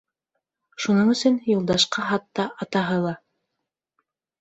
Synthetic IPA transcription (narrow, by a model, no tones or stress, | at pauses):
ʃunɤɴɵ̆sɵnjulˠd̪ɑʃqɑɦɑt̪ːɑʔɑt̪ɑɦɤlˠɑ